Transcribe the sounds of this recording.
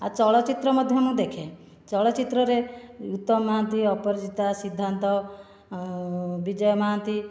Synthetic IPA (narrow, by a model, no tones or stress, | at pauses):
at͡ʃɔɭɔt͡ʃit̪ɾɔmɔd̪ʱjɔmũd̪ekʰe | t͡ʃɔɭɔt͡ʃit̪ɾɔɾeut̪ːɔmːaɦant̪iɔpɔɾd͡ʒit̪asid̪ʱːant̪ɔ | bid͡ʒɔjɔmaɦant̪i